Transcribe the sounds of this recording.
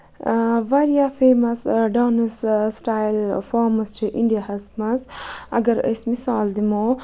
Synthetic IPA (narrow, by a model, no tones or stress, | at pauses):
ʋaɾjafeːmɐsɖawnɐssʈaːjlfaːmɐst͡ʃʰiʔiɳɖijahɐsmɐsɐ̰ɡɐɾə̰smisaːld̪imo